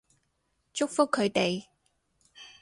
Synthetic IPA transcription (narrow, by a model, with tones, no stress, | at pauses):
t͡ʃʊ˥k̚fʊ˥kʰːɵ˨˧ɥt̪e˨j